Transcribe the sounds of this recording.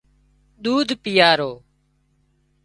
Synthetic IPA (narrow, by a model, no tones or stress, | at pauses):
ɗ̪uːd̪ʱpɪjaːɾoː